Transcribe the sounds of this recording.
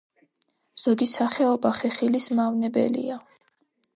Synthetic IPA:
z̥ɔɡisaχɛɔbaχɛχilismavnɛbɛ̰lḭa

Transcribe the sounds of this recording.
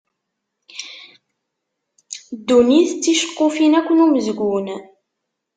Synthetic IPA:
d̪ːuniθət͡sːiʃə̥qːofinækʷːənuməzɡʷun

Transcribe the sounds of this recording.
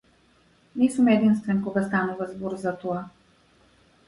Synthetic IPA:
nɛsəmɛd̪inst̪vɛnkoɡast̪anuvazbɔɾzat̪ova

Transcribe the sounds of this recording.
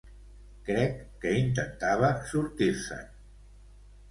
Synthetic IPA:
kɾɛkːəint̪ənt̪aβəsuɾt̪iɾsə̰

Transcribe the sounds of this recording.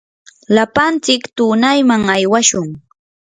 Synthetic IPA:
lapant͡sɪkt̪uːnajmaŋajwaʃʊŋ

